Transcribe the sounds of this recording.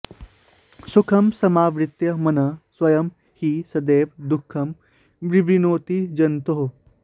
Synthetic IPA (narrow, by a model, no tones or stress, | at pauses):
sukʰɐmsɐmaːʋɾɪt̪jɐmɐnɐswɐjɐm | hisɐd̪eːʋd̪ukʰːɐm | ʋɾibɾinoːt̪id͡ʒɐnt̪oɦo